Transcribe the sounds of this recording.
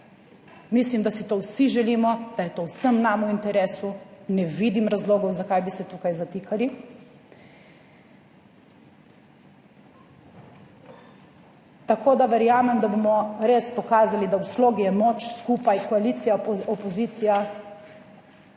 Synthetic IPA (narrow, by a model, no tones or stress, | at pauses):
mislimd̪asit̪owsiʒɛliːmɔd̪̥ajɛt̪owsəmnamuint̪ɛɾeːsunɛʋid̪imɾazloːɡɔwzakajbisɛt̪ukajzat̪iːkali | t̪akʰoːd̪aʋɛɾjaːmɛmd̪abomɔɾeːspɔkaːzalid̪awsloːɡijɛmot͡ʃskuːpajkɔalit̪sijaɔpɔziːt̪sija